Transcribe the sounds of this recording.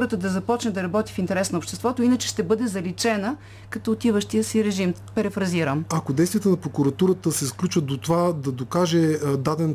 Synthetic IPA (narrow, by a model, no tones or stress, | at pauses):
ɾət̪əd̪ɐzɐpɔt͡ʃnɛd̪ɐɾɐbɔt̪ifint̪ɛɾɛsnɐopʃt̪ɛst̪vɔt̪oinət͡ʃɛ̥ʃt̪ɛbɤd̪ɛzɐlit͡ʃɛnə | kɐt̪ɔːt̪ivəʃt̪ijəsiɾɛʒimpɛɾɛfɾɐziɾəmɐkod̪ɛjst̪vʲiət̪ənɐpɾokuɾɐt̪uɾət̪əsɛsklʲut͡ʃvət̪d̪ot̪ovad̪ɐd̪okaʒɛd̪ad̪ɛn